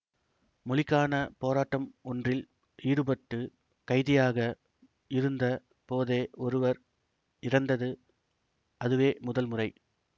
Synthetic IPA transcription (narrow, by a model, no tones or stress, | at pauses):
mɔlɪkːaːnɐpoːɾaːʈːɐmɔndrɪl | ʔiːɽɯbɐʈːɯ | kɐɪðɪjaːɣɐ | ɪɾɯnd̪ɐ | poːðeːɔɾɯʋɐɾ | ɪɾɐnd̪ɐðɯ | ʔɐðɯʋeːmʊðɐlmʊrɐɪ